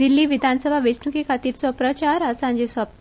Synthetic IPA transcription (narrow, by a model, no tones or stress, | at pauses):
d̪ilːiːʋid̪ʱansəbʱaʋesnukikʰat̪iːɾt͡sɔpɾət͡ɕaɾəsãɲd͡ʑesəp